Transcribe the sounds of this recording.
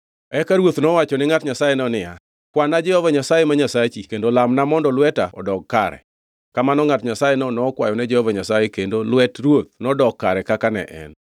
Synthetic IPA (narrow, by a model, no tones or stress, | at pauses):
ɛkaɾwot̪nɔwat͡ʃɔnɪŋatɲasajenɔnɪja | kwanad͡ʒɛhɔvaɲasajemaɲasat͡ʃikendolamnamɔndɔlwɛtaɔ̰dɔɡ̚kaɾɛ̰ | kamanɔŋatɲasajenɔnɔːkwa̰jɔnɛd͡ʒɛhɔvaɲasajekendolwɛtrwot̪̚nɔdɔkkːaɾɛkakanɛ̰ʔɛ̰n